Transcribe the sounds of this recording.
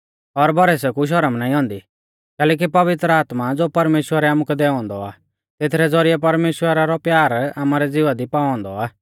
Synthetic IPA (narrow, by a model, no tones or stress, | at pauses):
ɔɾbʱɔɾɛs̬ɛkuʃ̬ɐɾəmnaːĩɦɔ̃ːnd̪i | kɛːlɛːk̬ipɐʋɪt̪ɾəaːt̪mad͡zoːpɐɾmeːʃwəɾɛaːmukɛd̪ɛɔ̃ːnd̪ɔa̰ː | t̪et̪ʰɾɛd͡zɔɾiɛpɐɾmeːʃwəɾaɾɔpjaːɾaːmaːɾɛd͡zɪʋad̪ipaːɔ̃ːnd̪ɔaː